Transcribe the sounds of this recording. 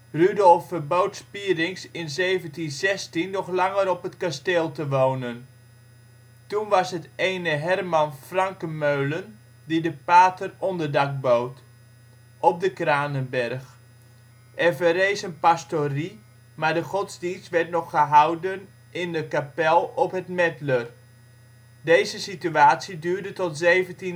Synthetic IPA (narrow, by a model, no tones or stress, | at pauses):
rydɔlˠfərbowtspiːrɪŋsɪnzejvəntinzɛstinːɔχlaŋəɾɔpətkasteːlˠtəʋoːnən | tunʋɑsɦətejnəɦɛrmɑnfrɑŋkəmøɥlən | didəpaːtərɔndərdak̚bowt | ʔɔp̚dəkraːnənbɛrx | ʔɛrvəɾeːsənpastori | maɹdəχɔtzdinstʋɛrtnɔχːəɦawdən | ʔɪndəkapɛlˠɔpɦətmɛtlər | dejzəsityaːtsidyːɹdətɔtzeːvənti